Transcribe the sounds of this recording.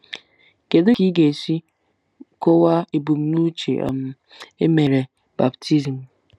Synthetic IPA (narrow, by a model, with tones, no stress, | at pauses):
ke˨dʊ˦ki˦ɡe˨si˦ | ko˦wa˦e˨bu˨m̩˦nu˦t͡ʃḛ˨a̰˨m˨ | e˦me˨ɾe˨ | ba˨btʰi˦zi˨m̩˨